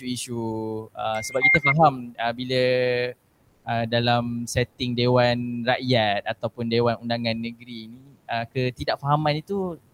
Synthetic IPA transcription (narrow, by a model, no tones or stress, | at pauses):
uiʃuəsəbap̚kit̪afaɦaməbilə | ədalamsɛt̪ɪŋdewanraʔjat̪̚at̪awpʊndewanundaŋãnːə̃ɡɾiːniəkət̪idaʔ̚faɦamãnit̪u